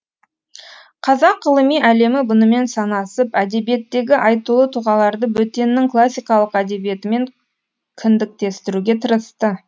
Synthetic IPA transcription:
qʰɑzɑqɢəlˠəmijʔæle̞mɪbʊnəme̞nsɑnɑsəpæd̪e̞bije̞t̪ːe̞ɡʲɪʔɑjt̪ulˠət̪ʰuʁɑlˠɑɾd̪əbɵt̪e̞nːɪŋklˠasʲːijkɑlˠəqæd̪e̞bije̞t̪ɪme̞ŋ | kʲʰɪnd̪ɪk̚t̪e̞st̪ɪɾuɡʲe̞t̪ʰəɾəst̪ə

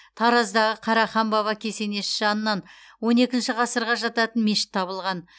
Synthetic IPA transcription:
t̪ʰɑɾɑzd̪ɑʁəqʰɑɾɑχɑmbɑβɑkʲʰe̞se̞ne̞ʃɪʒɑnənːɑn | wo̞ne̞kʲɪnʃɪʁɑsəɾʁɑʒɑt̪ɑt̪ənmeʃɪ̥t̪ʰːɑβəlˠʁɑn

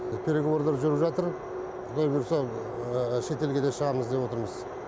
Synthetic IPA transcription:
pʰʲe̞ɾeɡowˠoɾd̪ɑɾʒʏɾəpʒɑt̪əɾʰ | ʊlˠɑjbeɾso | ʃe̞t̪e̞lɡʲe̞d̪e̞ʃəʁɑməzd̪e̞pwo̞t̪əɾməz

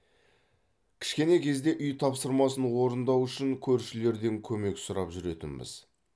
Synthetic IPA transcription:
kʲʰɪ̥ʃkʲe̞ne̞kʲʰe̞zd̪e̞ʔʏjt̪ʰɑpsəɾmɑsənwo̞ɾənd̪ɑwʏʃɪŋkʲʰɵɾʃɪle̞ɾd̪e̞ŋkʲʰɵme̞ksʊɾɑpʒʏɾe̞t̪ɪnbɪ̰z̥

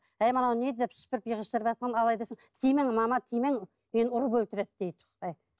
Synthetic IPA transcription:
æjmɑnɑwned̪ed̪epʃpɪɾɪpjəʁəʃt̪əɾpʒɑt̪qɑnɑlˠɑjd̪esəŋt̪ʰijmeŋmɑmɑt̪ʰijmeŋ | menʊɾəpɵlt̪ɪɾet̪̚d̪ejt̪ʰ | æj

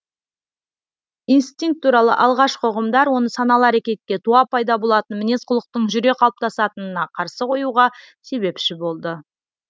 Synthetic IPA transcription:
ijnst̪iŋk̚t̪ʰːuɾɑlˠə̰ʔɑlˠʁɑʃqʰoʁəmd̪ɑɾwo̞nəsɑnɑlˠəæɾakʲe̞t̪̚kʲːe̞t̪ʰuɑpɑjd̪ɑbo̞lˠɑt̪ənmɪne̞sqʰʊlˠəq̚t̪əɴʒʏɾe̞qʰɑlˠəp̚t̪ɑsɑt̪ənənɑqʰɑɾsəqʰo̞juʁɑ | se̞βe̞pʃɪbo̞lˠd̪ə

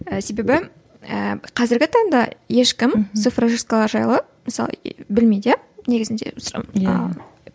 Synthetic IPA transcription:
əse̞be̞bɪ | ə̰qʰɑzɪɾɡʲɪt̪ʰɑɴd̪ɑ̰je̞ʃkʲɪmt̪ɨfraʒɨskalˠɑɾʒɑjlˠə | məsɑlˠə̰bɪlmejd̪je | ne̞ɡʲɪzɪnd̪ḛs

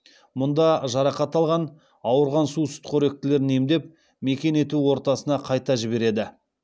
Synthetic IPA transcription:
mʊnd̪ɑʒɑɾɑqɑt̪ɑlˠʁɑn | ɑwəɾʁɑnsusʊ̥t̪qʰøɾe̞k̚t̪ɪle̞ɾne̞md̪e̞p̚ | me̞kʲe̞ne̞t̪uwo̞ɾt̪ɑsənɑqʰɑjt̪ɑʒɪbe̞ɾe̞d̪ɪ

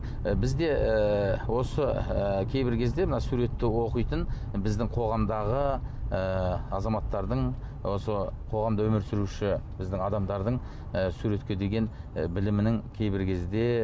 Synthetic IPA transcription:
bɪzd̪e̞ | wo̞səəkʲʰe̞jbɪɾkʲʰe̞zd̪e̞mənɑsuɾe̞t̪ːɪwo̞qəjt̪ən | bɪzd̪ɪŋqʰo̞ʁɑmd̪ɑʁəəɑzɑmɑt̪ːɑɾd̪əɴwo̞səqʰo̞ʁɑmd̪əwɵmɪɾsɪɾuʃɪbɪzd̪ɪŋɑd̪ɑmd̪ɑɾd̪əɴ | əsuɾe̞t̪kʲe̞d̪e̞ɡʲe̞n | bɪlɪmɪnɪŋkʲʰe̞jbɪɾkʲʰe̞zd̪e̞

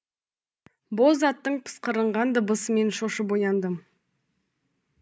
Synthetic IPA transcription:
boʊlˠzɑt̪ːəɴpʰə̥sqəɾəɴʁɑnd̪əbəsəme̞nʃoʃəpojɑnd̪əm

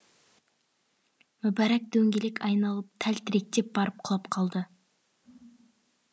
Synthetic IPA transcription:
mʊbæɾæk̚d̪ɵŋɡʲelekʲʰɑjnɑlˠəp̚t̪ʰælt̪ʰɪɾek̚t̪e̞p̚bɑɾəp̚qʰʊlˠɑpqʰɑlˠd̪ə

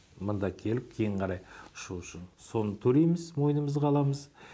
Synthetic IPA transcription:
mənd̪ɑkʲʰe̞lɪp̚kʲʰejɪɴqʰɑɾɑjʊ̥ʃuʊʃɪnso̞nət̪ʰɵɾe̞jmɪzmo̞jənəməzqʰɑlˠɑməz

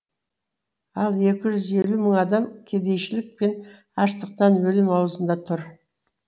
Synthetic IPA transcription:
ɑlˠe̞kʲɪʒʏze̞luməɴɑd̪ɑmkʲʰe̞d̪e̞jʃɪlɪk̚pe̞n | ɑʃt̪əq̚t̪ɑnwɵlɪmɑwəzənd̪ɑt̪ʰʊɾ

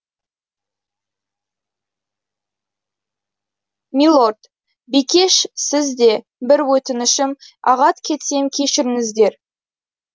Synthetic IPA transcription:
mʲilˠord̪ | bijkʲe̞ʃsɪzd̪e̞ | bɪɾwɵt̪ɪnɪʃɪmɑ̰ʁɑt̪kʲʰe̞t̪se̞mkʲʰe̞ʃɪɾɪŋɪzd̪e̞ɾ

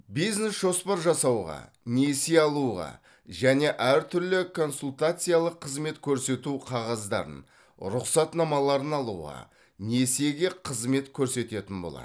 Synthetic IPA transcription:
bijzne̞sʒ̥o̞spɑɾʒɑsɑwʁɑ̰ | neseɑlˠuʁɑ̰ | ʒæne̞ʔæɾt̪ʰʏɾlɪkʰo̞nsulˠt̪at̪sɨjalˠəqʰːəzme̞t̪kʲʰɵɾse̞t̪uqʰɑʁɑzd̪ɑ̰ɾə̰n | ɾʊqsɑt̪nɑmɑlˠɑɾənɑlˠṵʁɑ̰ | ne̞se̞ɡʲe̞qʰəzme̞t̪kʲʰɵɾse̞t̪e̞t̪ɪnbo̞̰lˠɑ̰d̪ə

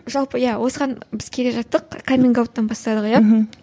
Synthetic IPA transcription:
ʒɑlˠpəjæwo̞səʁɑnbɪz̥kʲʰe̞le̞ʒɑt̪ːəqkʰamʲiŋɡawt̪ːɑnbɑst̪ɑd̪əqja

